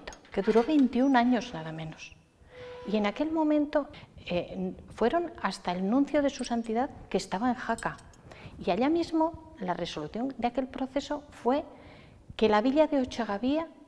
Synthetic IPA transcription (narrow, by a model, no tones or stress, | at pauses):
t̪o̥ke̞ðuɾo̞βe̞jnt̪iunaɲo̞znaðamẽ̞nos | ie̞nake̞lmõ̞mẽnt̪o̞efwe̞ɾo̞nast̪aelnũn̟θjoðe̞susant̪iðaðke̞ːst̪aβaeŋxaka | iaʎamizmo̞ | lare̞so̞luθjo̞nd̪eake̞lpɾo̞θe̞so̞fwe̞ | ke̞laβiʎaðeot͡ʃaɣaβia